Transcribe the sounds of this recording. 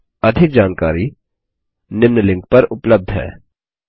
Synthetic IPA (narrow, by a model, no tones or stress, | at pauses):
ɐd̪ʱɪk̚d͡ʒaːnka̰ːɾi | nɪmnəlɪ̃ŋk̚pɐɾʊpləb̚d̪ʱɦɛ̰ː